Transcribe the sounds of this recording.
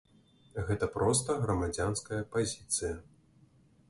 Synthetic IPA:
ɣɛt̪ɐpɾɔst̪ɐɣɾɐmad͡zʲanskɐjɐpazʲit̪sɨjɐ

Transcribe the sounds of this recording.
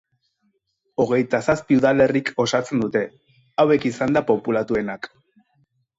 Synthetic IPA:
o̞ɣ̞e̞jt̪asaspiuðale̞riko̞sat͡se̞nd̪ut̪e̞ | awe̞kisand̪apo̞pulat̪ue̞nak

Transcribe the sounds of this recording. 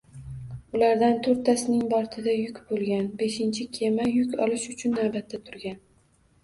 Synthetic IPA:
ʊlaɾd̪ant̪ʰoɾt̪ʰːasɪnɪŋbɒɾt̪ʰɪd̪ajʊkʲbolˠɡʲanbe̞ʃɪnt͡ʃʰɪkʲʰe̞majʊkʲɒlɪʃʊt͡ʃʰʊnːabat̪ːat̪ʰʊɾɡʲan

